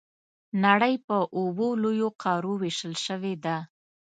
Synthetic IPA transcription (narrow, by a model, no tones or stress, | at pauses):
naɽəjpəʔobolojoqʰɑɾoweʃəlʃəwed̪a